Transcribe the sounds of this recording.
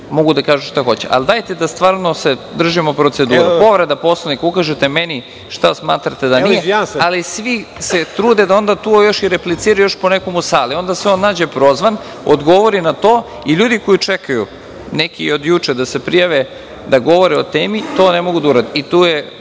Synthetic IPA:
moɡud̪akaːʒuʃt̪axo̞t͡ɕḛʔa̰ld̪aːjt̪ed̪ast̪ʋaːɾnosed̪r̩ʒimopɾot̪se̞d̪uːɾupo̞ʋɾed̪apo̞slˠanikukaʒet̪emeni | ʃt̪asmaːt̪ɾat̪ed̪anijealisʋi | se̞t̪ɾuːd̪ed̪ao̞nd̪at̪ujo̞ʃiɾeplit̪siːɾajujo̞ʃponeko̞musaːlio̞nd̪asʋeonːaːd͡ʑepɾo̞zʋan | od̪ɡo̞ʋoɾinat̪oː | iʎuːd̪iko̞jit͡ʂekajṵ | nekio̞d̪jut͡ʂed̪ase̞pɾijaʋe | d̪aɡo̞ʋo̞ɾɛo̞t̪eːmit̪o̞ːnemo̞ɡud̪auɾad̪eit̪uːje

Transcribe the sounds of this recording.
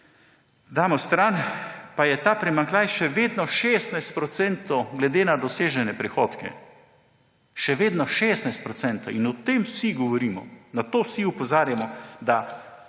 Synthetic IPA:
d̪aːmɔst̪ɾanpajɛt̪aːpɾɛmaŋklʲaːjʃɛʋeːd̪nɔʃeːst̪najst̪̚pɾɔt̪sɛnt̪ɔwɡlɛd̪eːnad̪ɔseːʒɛnɛpɾɛxoːt̪kɛ̰ | ʃɛʋeːd̪nɔʃeːsnajst̪pɾɔt̪sɛnt̪o̰inɔt̪emsiɡɔʋɔɾiːmɔ̰nat̪oːsiupɔzaːɾjamɔd̪a

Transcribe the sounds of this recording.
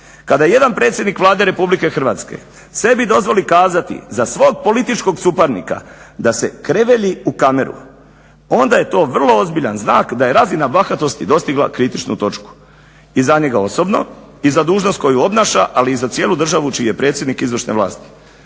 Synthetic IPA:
kad̪ajeje̞d̪anpɾe̞t̪sʲjed̪nikʋlˠaːd̪e̞ɾe̞publike̞xr̩ʋaːt̪ske̞̰ | se̞bid̪o̞zʋo̞likaːzat̪ḭzasʋo̞ːɡ̚po̞lit̪it͡ʃko̞ɡsupaɾnḭka̰d̪ase̞kɾe̞ʋe̞ʎiukame̞ɾṵ | o̞nd̪aje̞t̪o̞ːʋr̩lˠo̞ozbiʎanznaːkd̪aje̞ɾazinabaxat̪o̞st̪id̪o̞st̪iɡla̰kɾit̪it͡ʃnṵt̪o̞t͡ʃku̥ | izaɲe̞ɡao̞so̞bno̞̰ | izad̪uːʒnost̪ko̞juo̞bnaːʃaʔaliːzat̪sje̞ːlud̪r̩ʒaʋut͡ʃijije̞pɾe̞ːt̪sjed̪nikizʋr̩ʃne̞̰ʋlˠa̰ːst̪i̥

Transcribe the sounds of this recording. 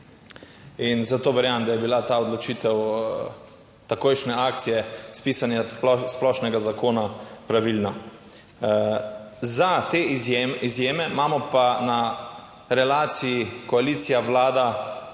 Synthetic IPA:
inzat̪oːʋɛɾjamd̪ajɛbilat̪aɔd̪lɔt͡ʃiːt̪ɛw | t̪akoːjʃnɛaːk̚t̪sijɛspiːsanjasplɔʃnɛɡazakoːnapɾaʋilna | zat̪eːjeizjeːmɛmamɔpana | ɾɛlaːt̪sijikɔaliːt̪sijaʋlaːd̪a

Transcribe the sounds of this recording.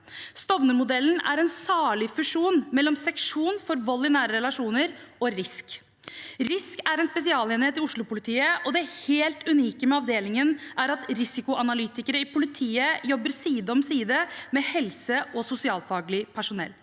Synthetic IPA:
st̪ɔʋnəmʊd̪ɛlːn̩æ̰ɾɛnsɑːɭɪfʉʂuːnmɛlːɔmsɛkʂuːnfɔɾʋɔlːɪnæːɾəɾɛlɑʂuːnəɾɔɾɪsk | ɾɪskæɾɛnspɛs̬ɪɑːleːnɪheːt̪ɪʊʂɭʊpʊlɪt̪ʰiːəɔd̪ɛæɾheːlt̪ʉniːkəmɛɑʋd̪eːlɪŋənæɾɑt̪ɾɪsɪkʊʔɑnɑlyːt̪ɪkəɾəɪpʰʊlɪt̪ʰiːəjɔbːəɾsiːd̪əɔmsiːd̪əmɛhɛlsəɔsʊsɪɑːlfɑːɡlɪpʰæʂʊnɛ̰lː

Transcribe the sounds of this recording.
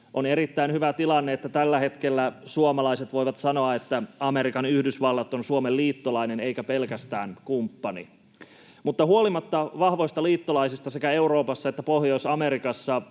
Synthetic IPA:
ʔoneɾit̪ːæinhyʋæt̪ilɑnːeet̪ːæt̪ælːæhe̞t̪kelːæsuomɑlɑiset̪ʋo̞jʋɑt̪sɑnoɑet̪ːæɑmeɾikɑnyhdysʋɑlːɑt̪onsuomelliːt̪ːolɑineneikæpelkæst̪æ̰ːnkumpːɑnḭ | mut̪ːɑhuolimɑt̪ːɑʋɑhʋo̞ist̪ɑliːt̪ːolɑisist̪ɑsekæe̞uro̞ːpɑsːɑet̪ːæpohjo̞isɑmeɾikɑsːɑ

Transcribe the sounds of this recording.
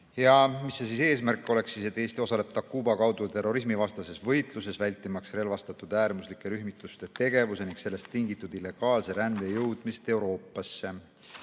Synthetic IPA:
jɑmisːesise̞ːsmærkːˑo̞le̞ksːise̞t̪ːˑeːst̪io̞sɑle̞b̥̚t̪ɑkːuːbɑkɑwd̪ut̪e̞ro̞ɾis̬mivɑst̪ɑse̞svɤjt̪luse̞svælʲt̪ːˑimɑksre̞lvɑst̪ɑt̪ˑud̪̥æːɾmuslikːˑe̞ɾyhmit̪ˑːust̪e̞t̪e̞ɡ̥e̞vuse̞niŋkse̞lːe̞st̪ːiŋɡit̪ːˑud̪̥ilːe̞ɡ̥ɑːlse̞ɾænd̪̥e̞jɤwd̪̥mist̪e̞wɾo̞ːpːˑɑsːe̞

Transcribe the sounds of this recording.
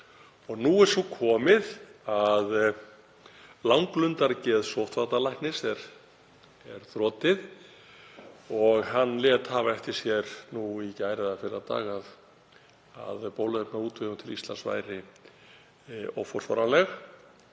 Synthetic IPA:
ɔɣnuɛɾ̥sukʰɔːmɪðað | lawŋklʏnt̪aɾcɛːðsowht̪fat̪alajhknɪsɛɾ̥ | ɛɾ̥θɾɔːt̪ɪð | ɔɣɦanːlɛːt̪havaɛfc̪ɪɾ̥sjɛɾnuicaːjɾɪðafɪɾɪat̪a̰ːɣað | a̰ðpoːwlʏðɛpnauːt̪vɪɣʏmt̪ʰɪlist̪lansva̰ːjɾɪ | ɔ̰fɔɾ̥fɔ̰ɾanlɛx

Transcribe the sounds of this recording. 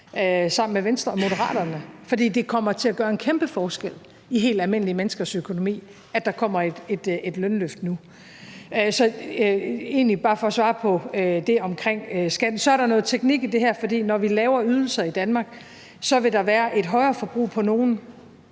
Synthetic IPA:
øsɑ̈m̰n̩meʋensd̥ʁɐmo̝d̥ɐʁɑ̰̈ːd̥ɐnəfɒ̽d̥ḭːd̥e̝kʰɒ̽m̰ɐt͡sʰe̝læɡ̥ɶːɐe̝nkʰemb̥əfɒːsɡ̥el̰ | iɦe̝̰ːld̥ælme̝n̰limenəsɡ̥ɐsøkʰo̝no̝mḭː | æ̥d̥ɑ̈kʰɒ̽m̰ɐe̥e̝d̥e̝d̥lønløfd̥nu | øsɒ̽ | e̝̰ːnlib̥ɑ̈ːfɒ̽ɒsʋɑ̈ːpʰɒ̽ød̥e̝ɒ̽mkʰʁeŋ̰øsɡ̥æd̥n̩sɒ̽æɐɾɑ̈nɔ̽ːð̩ˠt͡sʰeɡ̥niɡ̥id̥e̝ɦæɐ̰fɒ̽d̥ḭːnɒʋilɛːʊɐyð̞ˠl̩sɐid̥ænmɑ̈ːɡ̥ | sɒ̽ʋe̝d̥ɑ̈ʋæːɐʔe̝d̥ɦɒ̽ɪɐːfɒ̽b̥ʁṵːpʰɒ̽no̝ːn̩

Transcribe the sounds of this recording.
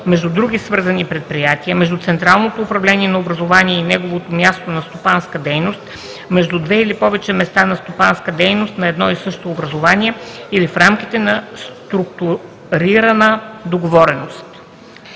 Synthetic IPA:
mɛʒd̪ud̪ɾuɡʲisvɤɾzənipɾɛt̪̚pɾijat̪iəmɛʒd̪ut̪sɛnt̪ɾalˠnot̪oːpɾɐvlɛniɛnɐobɾɐzovaniɛinɛɡovot̪omʲjast̪onɐst̪opanskəd̪ɛjnost̪ | mɛʒd̪ud̪vɛilipɔvɛt͡ʃɛmɛst̪anɐst̪opanskəd̪ɛjnost̪nɐɛd̪nɔisɤʃt̪oːbɾɐzovaniɛilifɾamkʲit̪ɛnɐst̪ɾukt̪u | ɾiɾɐnəd̪oɡovɔɾɛnost̪

